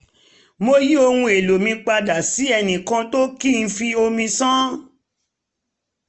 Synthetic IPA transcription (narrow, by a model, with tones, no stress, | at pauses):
mo˧ji˦o˧hũ˧e˨lo˨mĩ˧k͡pa˧da˨si˨˦ɛ˧nĩ˨kã˧to˦ki˦˨n̩˧fi˧o˧mĩ˧sã˦